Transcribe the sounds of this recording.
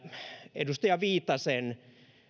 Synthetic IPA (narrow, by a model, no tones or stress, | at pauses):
ḛdust̪ɑjɑʋiːt̪ːɑsen